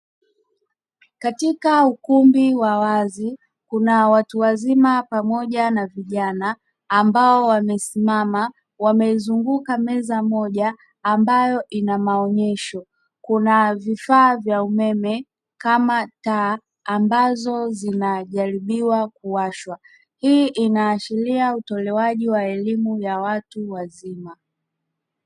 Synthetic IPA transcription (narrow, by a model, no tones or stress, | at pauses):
katikaukumbiwawazi | kunawatuwazimapamɔʄanaviʄanaː | mbaɔwamɛsimama | wamɛizuŋɡukamɛzamɔʄaː | mbajɔʔinamaɔɲɛʃɔ | kunavifaːvjaumɛmɛ | kamataː | mbazɔzinaʄaɾiɓiwakuaʃwa | hiːʔinaːʃiliautɔlɛwaʄiwaɛlimujawatuwazima